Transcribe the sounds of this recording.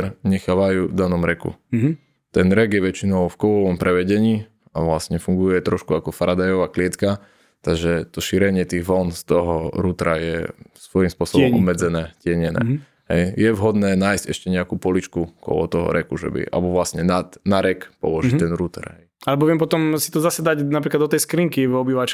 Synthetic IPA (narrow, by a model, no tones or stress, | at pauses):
ɾɲɛxaːʋajuːd̪anɔmɾɛkṵ | t̪ɛnɾɛɡjɛʋɛt͡ʃinɔʊfkɔʋɔʋɔmpɾʔɛʋɛɟɛɲiː | aʋlasɲɛfuŋɡujɛt̪ɾɔʃkuakɔfaɾad̪ajɔʋaːklɪɛt̪ka | t̪aɡʒɛt̪ɔʃiɾɛɲɪɛt̪iɣʋɔnst̪ɔɦɔɾuːt̪ɾajɛsʋɔjimspʊɔsɔbɔmɔbmːɛd͡zɛnɛːcɪɛɲɛnɛ̰ː | ɦɛ̰jjɛʋɦɔd̪nɛːnaːjzɟ̥ɛʃcɛɲɛakuːpɔlit͡ʃkukɔ̰lɔ̰t̪ɔɦɔ̰ɾɛkuʒɛ̰bḭʔa̰lɛbɔʋlasɲɛnat̪naɾɛkpɔ̰lɔʒit̪ɛnɾut̪ɛ̰ɾɦɛjalɛbɔʋɪɛmpɔt̪ɔmsit̪ɔzasɛd̪aɟnap̬ɾiklad̪ɔt̪ɛjskɾiŋkivɔbiʋat͡ʃ